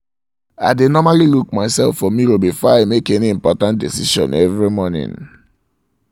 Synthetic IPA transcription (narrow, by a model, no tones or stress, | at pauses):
a̰ɪdenɔmaliluk̚maɪsɛlfːɔmiɾobifaamekɛniĩmpɔtãnt̚disiʃɔ̰̃nʔɛvɹimɔnḭ̃n